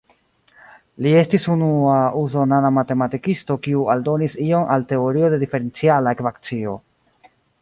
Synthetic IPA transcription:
lie̞stisunuauzo̞nanamate̞matikisto̞kiualdo̞nisio̞nʔalte̞oɾio̞de̞dife̞ɾe̞nt͡sialaekvakt͡sio̞

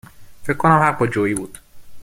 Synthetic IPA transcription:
feckʰkʰːonæmhæʁ̚bɒd͡ʒoːiːbuːd̪̥

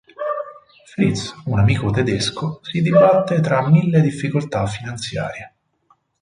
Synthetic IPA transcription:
fɾit̪sunamiːkot̪ed̪eskosid̪ibat̪ːet̪ɾamːilːed̪ifːikolt̪afːinant̪sja̰ːɾje

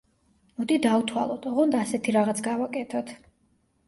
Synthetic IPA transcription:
mɔd̪id̪aut̪ʰwa̰lˠɔd̪ʰɔʁɔnd̪aːsɛt̪ʰiɾaʁat̪sʰɡavakʼɛt̪ʰɔt̪ʰ

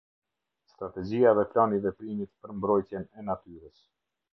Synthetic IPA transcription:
st̪ɾat̪ɛd͡ʑiavɛplanivɛp̪ɾimit̪pəɾmbɾɔjt̪jɛnɛnat̪yɾəs

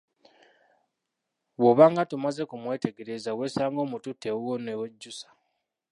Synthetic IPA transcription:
woβaŋɡatumaze̞kumwe̞ːte̞ɡe̞ɾezawe̞ːsaːŋɡo̞ːmututːewwonewoɟːusḁ

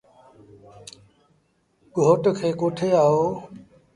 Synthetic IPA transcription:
ɡʱoːʈkʰeːkoʈʰeaɦoː

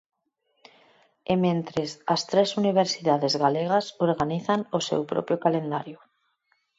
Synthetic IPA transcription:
emẽnt̪ɾesast̪ɾesuniβ̞eɾsiðaðezɣaleɣ̞asoɾɣaniθanosḛwpɾo̰pɾjokalend̪aɾjo

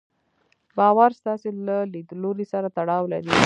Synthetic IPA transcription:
bɑwaɾst̪ɑselalid̪loɾisaɾat̪aɽɑwlaɾi

